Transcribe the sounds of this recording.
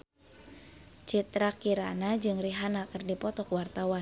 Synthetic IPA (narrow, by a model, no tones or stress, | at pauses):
t͡ʃit̪ɾakiɾa̰nad͡ʒɨŋriɦanakɨrdipɔt̪ɔkwart̪awan